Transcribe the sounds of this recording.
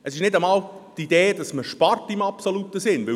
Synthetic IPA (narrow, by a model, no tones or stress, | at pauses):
əsɪʃnɪdəmɑːltid̥eːd̥ɑsməɾʃpɑrtɪmɑpsolutːəsɪnʋɪ